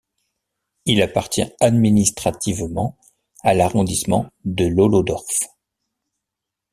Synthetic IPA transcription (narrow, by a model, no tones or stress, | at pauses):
ilapaʁt̪jɛ̰̃ad̪minist̪χat̪ivmɑ̃ | alaʁɔ̃d̪ismɑ̰̃d̪əlɔlɔd̪ɔʁf